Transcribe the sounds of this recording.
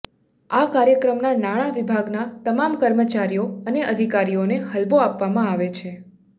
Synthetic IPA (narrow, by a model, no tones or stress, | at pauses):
akaɾjəkɾəmnanaɽ̃aʋibʱaɡnat̪əmamkəɾmət͡ʃaɾijoəneʔəd̪ʱikaɾioneɦəlʋoapʋamãaʋet͡ʃʰe